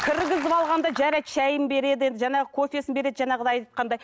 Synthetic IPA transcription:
kʲʰɪɾɡʲɪzɪpɑlˠʁɑnd̪ɑʒæɾeʃæjɪmbe̞ɾe̞d̪ɪje̞nd̪ɪʒɑnɴɑʁəkʰo̞fʲe̞sɪnbe̞ɾe̞d̪ɪʒɑnɑʁəd̪ɑjt̪ɑt̪̚qɑnd̪ɑj

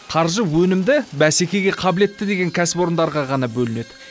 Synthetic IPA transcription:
qʰɑɾʒəwɵnɪmd̪ɪbæse̞kʲe̞ɡʲe̞qʰɑbɪle̞t̪ːɪd̪e̞ɡʲe̞ŋkʲʰæsɪpo̞ɾənd̪ɑɾʁɑʁɑnɑbɵlɪne̞d̪ɪ

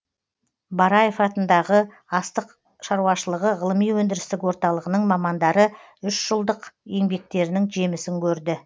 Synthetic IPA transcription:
bɑɾɑje̞fɑt̪ənd̪ɑʁə | ɑst̪əq | ʃɑɾuɑʃəlˠəʁəʁəlˠəmijwɵnd̪ɪɾɪst̪ɪkwo̞ɾt̪ɑlˠəʁənəɴmɑmɑnd̪ɑɾə | ʏʃʒ̥əlˠd̪əqje̞ŋbe̞k̚t̪e̞ɾɪnɪŋʒe̞mɪsɪŋkʲʰɵɾd̪ɪ

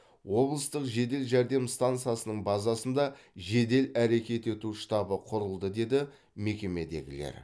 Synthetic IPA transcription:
wo̞blˠəst̪əqʒe̞d̪e̞lʒæɾd̪e̞mst̪ant̪sɨjasənəɴbɑzɑsənd̪ɑʒe̞d̪e̞læɾe̞kʲe̞t̪e̞t̪uʃt̪ɑbəqʰʊɾəlˠd̪əd̪e̞d̪ɪ | me̞kʲe̞me̞d̪e̞̰ɡʲɪ̰le̞̰ɾ

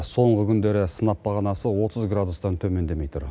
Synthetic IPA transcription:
so̞ɴʁəkʲʰʏnd̪e̞ɾɪsənɑpbɑʁɑnɑsəwo̞t̪ʰəzɡrad̪ust̪ɑnt̪ʰɵme̞nd̪e̞me̞jt̪ʊɾ

